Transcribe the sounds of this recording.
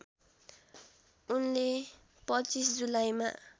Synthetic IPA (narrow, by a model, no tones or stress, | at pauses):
unle | pʌt͡sis̬d͡zulajma̰